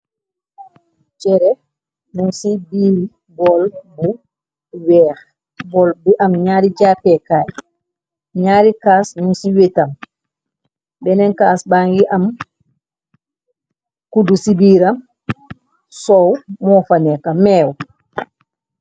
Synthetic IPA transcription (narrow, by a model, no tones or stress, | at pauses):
t͡ʃɛɾɛ | nunsibiːɾi | bɔlbu | wɛːɾ | bɔlbɛʔamɲaːɾid͡ʒapɛkaːj | ɲaːɾikaːsnunsiwetam | bɛnɛnkaːsbaŋɡiʔam | kudusibiːɾam | sɔwmɔfanɛkamɛːw